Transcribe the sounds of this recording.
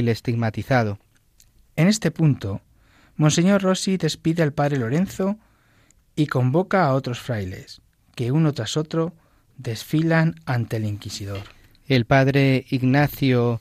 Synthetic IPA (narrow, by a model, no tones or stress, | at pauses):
lest̪iɣmat̪iθað̞o | e̞ne̞st̪e̞punt̪o̞ | monse̞ɲo̞rro̞siðe̞spiðealpaðɾe̞lo̞ɾe̞nθo̞ | iko̞mbo̞kaːo̞t̪ɾo̞sfɾajle̞̰s | ke̞uno̞t̪ɾaso̞t̪ɾo̞ | d̪e̞sfilanant̪e̞liŋkisiðo̞ɾ | e̞lpaðɾe̞iɣnaθjo